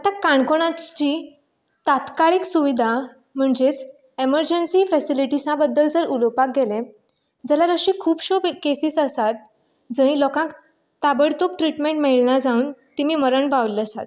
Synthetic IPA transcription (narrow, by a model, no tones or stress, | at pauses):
at̪akaɳkoɽ̃ãt͡ɕiː | t̪at̪kaɭiksuʋid̪ʱa | m̤əɳd͡zet͡s | eməɾd͡ʑənsiːfɛsiliʈisãbəd̪ːəld͡zəɾulopak̚ɡelẽ | d͡zɛlaɾəɕikʰuːpɕobkesiːsəsat̪̚ | d͡zə̃ĩlɔkãk | t̪abəɽt̪op̚ʈɾiʈmeɳʈmeɭɳad͡zauːnt̪imiːməɾəɳbaʋləsa̰t̪